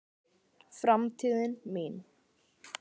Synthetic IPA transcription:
fɾamt̪ʰiðɪnmiːn

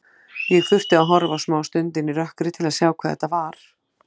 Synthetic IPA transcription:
jɛɣfʏr̥t̪ɪawɦɔɾvasmaːwst̪ʏnt̪ɪniɾœhkɾɪt̪ʰɪlaðsjaːwkʰvaðɛt̪avaɾ̥

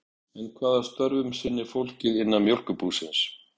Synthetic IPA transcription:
ɛnkʰvaːðast̪œɾvʏmsɪnːɪ̥fowl̥cɪðɪnːamjowl̥kʏpuːsɪns

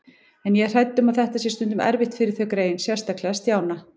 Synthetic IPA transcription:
ɛnjɛr̥ajt̪ːʏmaðθɛht̪asjɛst̪ʏnt̪ʏmʔɛ̰ɾvɪht̪fɪːɾɪɾ̥θœkɾeːjɪnsjɛ̥st̪aklɛðast̪jaːwna

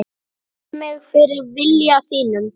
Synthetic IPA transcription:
mɪɣfɪɾɪɾvɪljaθiːnʏm

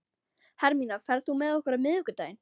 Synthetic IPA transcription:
hɛɾmiːnafɛɾðθumɛðɔhkʏɾaðmɪðʏkʏt̪aːjn

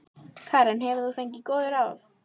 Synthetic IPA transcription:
kʰaɾhanɦɛvθuθejɲcɪkowðɪɾawð

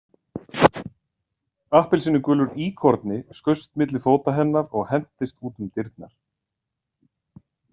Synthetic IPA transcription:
ahpɪlsɪːnʏkʏːlʏɾiːkʰvɔɾt̪nɪskœɥst̪mɪt̪lɪfoːwt̪aɦɛnːaɾɔɣhɛn̥t̪ɪst̪uːt̪ʏmt̪ɪɾt̪naɾ̥

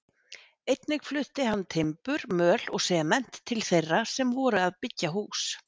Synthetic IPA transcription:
ejt̪nɪɣflʏht̪ɪɦanːt̪ʰɪmpʏɾ̥mœːlɔɣsɛːɣamɛn̥t̪ʰːɪlθejrasɛmvɔːɾʏaðpɪcːaɦuːs

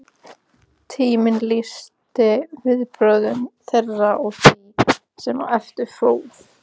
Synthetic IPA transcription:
t̪ʰiːmɪnlist̪ɪvɪðpɾœːðʏmθerːaʔɔɣtʰi | sɛma̰ɛft̪ʏɾ̥foːwð

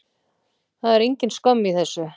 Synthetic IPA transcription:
θaðɛɾejɲcɪnskœmːiθɛsːʏ

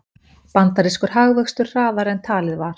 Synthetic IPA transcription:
pant̪aɾiskʏɾ̥haɣvœkst̪ʏɾ̥r̥aːðaɾɛnt̪ʰaːlɪðvaɾ̥

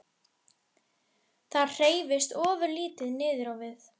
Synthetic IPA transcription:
θaðr̥eːjvɪst̪ɔːvʏɾliːt̪ɪðnɪːðʏɾawvɪθ

